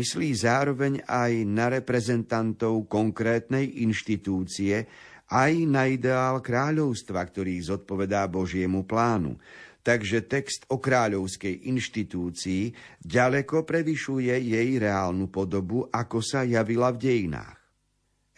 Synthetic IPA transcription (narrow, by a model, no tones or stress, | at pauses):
isliːzaːɾɔʋɛɲajnaɾɛpɾɛzɛnt̪ant̪ɔʊkɔŋkɾɛːt̪nɛjʔinʃt̪it̪uːt͡siɛ | ʔajnaid̪ɛaːlkɾaːʎɔʊst̪ʋakt̪ɔɾiːzɔt̪̚pɔʋɛd̪aːbɔʒɪɛmuplaːnṵt̪aɡʒɛt̪ɛkst̪ɔkɾaːʎɔʊskɛjʔinʃt̪it̪uːt͡siːɟalɛkɔpɾɛʋiʃujɛjɛjɾɛaːlnupɔd̪ɔbuʔakɔsajaʋilavɟɛjina̰ːx